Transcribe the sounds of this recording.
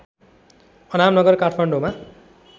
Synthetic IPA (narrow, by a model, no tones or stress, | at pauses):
ʌnamnʌɡʌrkaʈʰmaɳɖoma